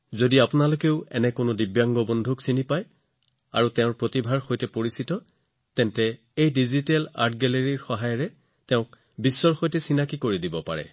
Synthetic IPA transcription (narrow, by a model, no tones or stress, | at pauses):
zodiapʊnalokeʊɛ̰nɛkʊnʊdibjaŋɡɔbɔndʱuksinipaj | a̰ɹutɛʊ̃ɹpɹotibʱaɹxojtɛpoɹisitɔ | tɛntɛ | ejdizitɛla̰ɹtɡɛleɹiɹxɔɦajɔɹɛ | tɛʊ̃k̚ | bisːɔɹxojtɛsinakikoɹidibɔpa̰ɹɛ̰